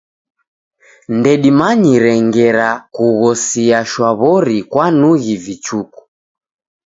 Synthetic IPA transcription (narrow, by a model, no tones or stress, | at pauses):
ndɛɗimaɲiɾɛŋɡɛɾakuɣɔsiaʃwaβɔɾikwanuɣivit͡ʃuku̥